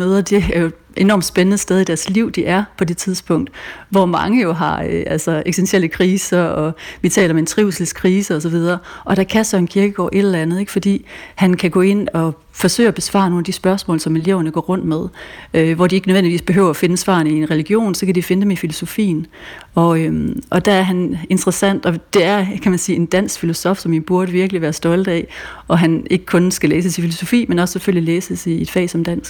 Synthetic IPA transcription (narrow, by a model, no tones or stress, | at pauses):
møːðˠɐd̥e̝æɐjo̝ | ʔe̝nɒ̰ːmd̥sb̥enənəsd̥eð̞ˠid̥æɐsliʊ̰d̥iʔæɐpʰɒ̽de̝t͡sʰiðˠsb̥ʰɔ̽ŋ̰d̥ʋɒmɑ̈ŋəjo̝ɦɑ̈øʔælsɒ̽eɡ̥senɕʰeləkʰʁiːsɐɒ̽ʋit͡sʰɛ̰ːlɐmeent͡sʰʁiʊ̰sl̩skʰʁiːsəɒ̽sɒ̽ʋið̞ˠɐːʔɒ̽ɾ̥ækʰæsd̥ɐenkʰiɐɡ̥əɡ̥ɒ̰ːʔe̝ɾ̥lɐænð̩ˠe̝ɡ̥fɒ̽d̥ḭːhænkʰæɡ̥ɔ̰̽ːe̝n̰ɒ̽ | fɒ̽sø̰ːɪɒb̥e̝sʋɑ̰̈ːno̝ːnæd̥isb̥ɶɐsmɔ̰ːlsɒ̽me̝le̝ʊɐnəɡ̥ɒ̰ːʁɔ̽n̰d̥með̞ˠøʋɒd̥ie̝ɡ̥nøʋen̰diʋḭːsb̥e̝ɦø̰ʊɐɒfe̝nəsʋɑ̰̈nie̝nʁɛliɡ̥jo̝̰ːnsɒ̽kʰæd̥ife̝nəd̥emifilo̝so̝fḭːnɒ̽øʔɒ̽d̥ææɐɦæne̝nd̥ʁɐsæn̰d̥ɒ̽d̥e̝æɐkʰæmænsiːe̝nd̥æn̰sɡ̥filo̝sɒ̽fsɒ̽mib̥uɐd̥əʋiɐɡ̥əliʋæːɐsd̥ɒ̽ld̥æʔɒ̽ɦæne̝ɡ̥əkʰɔ̽nsɡ̥æleːsəsifilo̝so̝fḭːmenɒ̽sseføl̰ileːsəsie̝d̥fɛ̰ːsɒ̽md̥æn̰sɡ̥